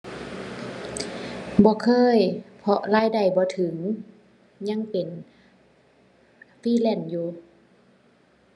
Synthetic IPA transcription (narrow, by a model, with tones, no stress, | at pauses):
bɔː˧˦kʰɤː˧˥˨jpʰɔ˧ʔlaː˧˥˨jda˨˩jbɔː˧˦t̪ʰɯ˩˦ŋ | ɲa˧˥˨ŋpe˨n | fiː˧˥˨lɛ˧˥˩njuː˧